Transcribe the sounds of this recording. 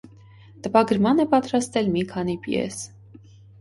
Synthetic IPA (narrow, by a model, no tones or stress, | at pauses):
t̪əpɑɡəɾmɑnɛpɑt̪ɾɑst̪ɛlmikʰɑnipjɛ̰s